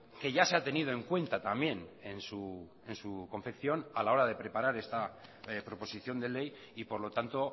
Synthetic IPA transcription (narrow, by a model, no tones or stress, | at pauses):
ke̞ʝase̞at̪e̞nið̞o̞e̞ŋkwe̞nt̪at̪ambje̞nensu | e̞nsuko̞ɱfe̞kθjo̞nalao̞ɾað̞e̞pɾe̞paɾaɾe̞st̪apɾo̞po̞siθjo̞nd̪e̞le̞j | ipo̞ɾlo̞t̪ant̪o̞